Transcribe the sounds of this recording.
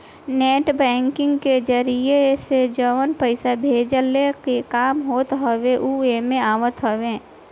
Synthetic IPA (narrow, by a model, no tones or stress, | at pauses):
neːʈbɛ̃ːŋkɪ̃ŋɡked͡ʒəɾiesed͡ʒəʋənpəɪsabʱeːd͡ʒəlekekaːmɦoːt̪ɦəʋeʔuemẽaːʋət̪ɦəʋẽː